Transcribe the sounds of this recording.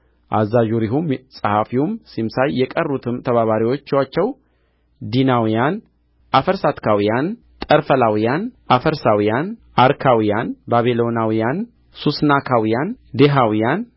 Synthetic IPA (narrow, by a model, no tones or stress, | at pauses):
ʔa̰zːaʒuɾiɦumsʼəhafiumsimsajːɛkʼərːut̪ʰɨmt̪ʰəβaβaɾiwo̞t͡ʃːwat͡ʃːɛw | d̪inawijan | ʔafəɾsat̪kʰawijan | t̪ʼəɾfəlawijanʔafəɾsawijanʔaɾkʰawijanbaβilo̞nawijan | susnakʰawijand̪eɦawijan